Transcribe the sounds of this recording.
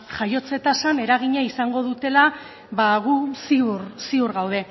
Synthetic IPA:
ʝajo̞t͡set̪asane̞ɾaɣ̞iɲaisaŋɡo̞ð̞ut̪e̞la | βaɣusiursiuɾɣawð̞e̞

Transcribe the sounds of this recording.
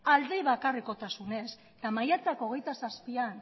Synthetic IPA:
ald̪eβakariko̞t̪asune̞s | t̪amajat͡sakoɣe̞jt̪asaspian

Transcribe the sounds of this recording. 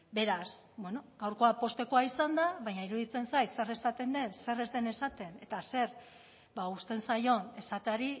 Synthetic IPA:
be̞ɾas | bwe̞no̞ɡ̥awɾko̞apo̞st̪e̞ko̞aisand̪aβaɲaiɾuðit͡se̞nsajt̪se̞re̞sat̪e̞nd̪e̞nse̞re̞zd̪e̞ne̞sat̪e̞ne̞t̪ase̞ɾ | baust̪e̞nsajo̞ne̞sat̪eaɾi

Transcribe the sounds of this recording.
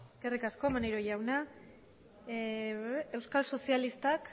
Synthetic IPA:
eske̞rikasko̞emaneɾoʝawna | e̞wskalso̞sialist̪ak

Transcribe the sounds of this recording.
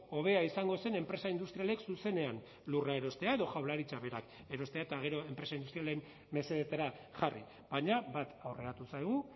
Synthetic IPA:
o̞β̞e̞aisaŋɡo̞se̞ne̞mpɾe̞saind̪ust̪ɾiale̞ksuse̞ne̞an | lurae̞ɾo̞st̪e̞aeðoʝawlaɾit͡saβe̞ɾak | e̞ɾo̞st̪e̞aet̪aɣ̞e̞ɾo̞e̞mpɾe̞saind̪ust̪ɾialenː | e̞se̞ðet̪aɾa | ʝarḭ | βaɲabat̪awre̞ɾat̪usajɣ̞u

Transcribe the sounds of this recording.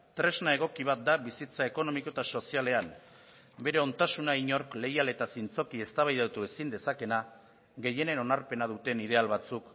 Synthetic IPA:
t̪ɾe̞znae̞ɣ̞o̞kiβ̞at̪̚d̪aβisit͡sae̞ko̞no̞miko̞et̪aso̞siale̞am | be̞ɾe̞o̞nt̪asunaiɲo̞ɾkle̞jale̞t̪asint͡so̞kie̞st̪aβajðat̪ue̞sind̪e̞sake̞na | ɣe̞je̞ne̞no̞naɾpe̞nað̞ut̪e̞niðe̞alβat͡suk

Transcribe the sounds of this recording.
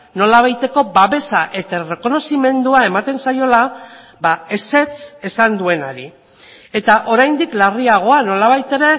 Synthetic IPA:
no̞laβajt̪e̞ko̞baβe̞saʔe̞t̪are̞ko̞no̞sime̞nd̪uae̞mat̪e̞nsajo̞la | bae̞se̞t͡se̞sand̪ue̞naɾi | e̞t̪aʔo̞ɾajnd̪iklariaɣ̞o̞ano̞laβ̞ajt̪e̞ɾe̞

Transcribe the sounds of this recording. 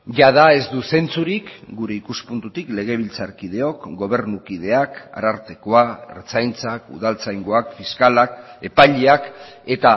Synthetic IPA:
ʝaðae̞zd̪use̞nt͡suɾikɡuɾe̞ikuspunt̪ut̪ikle̞ɣ̞eβ̞ilt͡saɾkið̞e̞o̞kɡo̞β̞e̞ɾnukið̞e̞aka̰ɾaɾt̪e̞ko̞aḛɾt͡sajnt͡sakṵðalt͡sajŋɡoakfiskalake̞paʎeake̞t̪a

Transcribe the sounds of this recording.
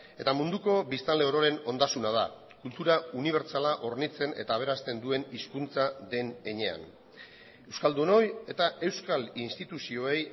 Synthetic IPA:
e̞t̪amund̪uko̞βist̪ale̞oɾo̞ɾe̞no̞nd̪asunað̞a | kult̪uɾauniβ̞e̞ɾt͡salaʔo̞ɾnit͡se̞ne̞̰t̪aːβ̞e̞ɾast̪e̞nd̪ue̞niskunt͡saðe̞ne̞ɲe̞a̰n | e̞wskald̪uno̞je̞t̪aʔe̞wskalinst̪it̪usio̞e̞j

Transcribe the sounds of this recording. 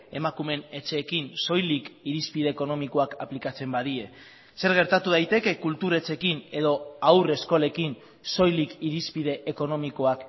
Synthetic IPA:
e̞makume̞ne̞t͡ʃe̞ːkinso̞jlikiɾispiðe̞ːko̞no̞miko̞akaplikat͡se̞mbaðie̞ | se̞ɾɣ̞e̞ɾt̪at̪uðajt̪e̞ke̞kult̪uɾe̞t͡se̞kine̞ðo̞awre̞sko̞le̞kin | so̞jlikiɾispiðe̞ʔːko̞no̞miko̞ak

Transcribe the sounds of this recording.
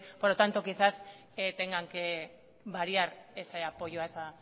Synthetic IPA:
poɾðot̪ant̪okisas | et̪eŋɡaŋke | βaɾiaɾeseapo̞joaesa

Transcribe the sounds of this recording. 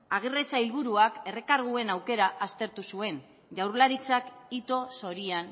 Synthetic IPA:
aɣ̞iresailβ̞uɾuake̞re̞kaɾɣ̞ue̞nawke̞ɾaʔast̪e̞ɾt̪usue̞n | ʝawrlaɾit͡sakit̪o̞so̞ɾian

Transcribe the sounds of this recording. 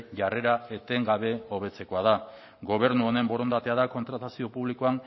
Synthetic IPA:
ʝare̞ɾae̞t̪e̞ŋɡaβ̞e̞o̞β̞e̞t͡se̞ko̞að̞a | ɡo̞β̞e̞ɾnuo̞ne̞mbo̞ɾo̞nd̪at̪e̞aðako̞nt̪ɾat̪asio̞puβlikoan

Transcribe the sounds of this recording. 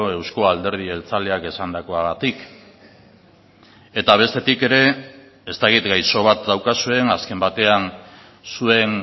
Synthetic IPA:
oe̞wsko̞ald̪e̞ɾð̞ie̞lt͡saleake̞sand̪ako̞aɣat̪ik | e̞t̪aβ̞e̞st̪e̞t̪ike̞ɾe̞ | est̪akit̪ɡajso̞β̞at̪̚d̪awkasue̞naske̞mbat̪e̞an | sue̞n

